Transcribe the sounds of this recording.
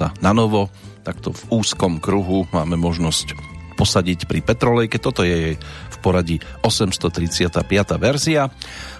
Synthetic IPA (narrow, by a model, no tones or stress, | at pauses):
a̰nanɔʋɔt̪akt̪ɔvuːskɔmkɾuɦumaːmɛmɔʒnɔscpɔsaɟicpɾipɛt̪ɾɔlɛjkɛt̪ɔt̪ɔjɛjɛfpɔɾaɟiɔsɛmst̪ɔt̪ɾit͡sɪat̪aːpɪat̪aːʋɛɾzia